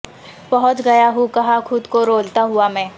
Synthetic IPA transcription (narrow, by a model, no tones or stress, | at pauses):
bɐɦʊt̪ɡɐjaɦukɐɦakʰʊd̪koɾoːlt̪aɦʊamɛ̃ː